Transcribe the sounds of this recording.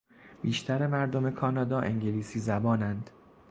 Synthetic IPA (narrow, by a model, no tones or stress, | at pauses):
biːʃt̪ʰæɾemæɾd̪o̞me̞kʰɒːnɒːd̪ɒːʔe̞ŋɟeliːsiːzæbɒːnænd̪̥